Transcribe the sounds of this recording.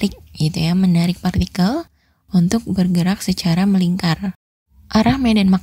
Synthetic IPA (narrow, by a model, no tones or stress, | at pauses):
ɪk̚ɡit̪ujamənaɾɪk̚part̪ikal | unt̪ʊk̚bərɡəɾak̚sət͡ʃaɾaməliŋkar | ʔaɾahmɛdanmak